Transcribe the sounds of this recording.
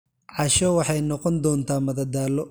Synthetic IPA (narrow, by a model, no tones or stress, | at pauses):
ʕɑʃɔwɑħɑjnɔqɔnd̪ɔːnt̪ʰaːmɐðɐd̪aːlɔ